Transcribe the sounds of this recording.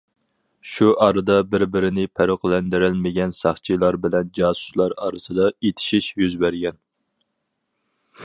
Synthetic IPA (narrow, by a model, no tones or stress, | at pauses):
ʃuʔɑɾɨd̪ɑbɪɾbɪɾɪnɪpʰæɾoqlɛnd̪ɪɾɪlmɪɡʲɛnsɑχt͡ʃʰilˠɑɾbɪlɛnd͡ʒɑːsu̥slˠɑɾɑ̰ːɾɨsɨd̪ɑet̪ʰɪ̥ʃiʃjyzbæɾɡʲɛn